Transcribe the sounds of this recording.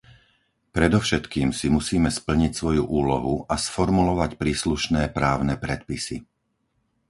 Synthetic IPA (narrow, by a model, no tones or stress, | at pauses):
pɾɛd̪ɔfʃɛt̪kiːmsimusiːmɛspl̩ɲicsʋɔjuʔuːlɔɦuʔasfɔɾmulɔʋacpɾiːsluʃnɛːpɾaːʊnɛpɾɛt̪̚pisḭ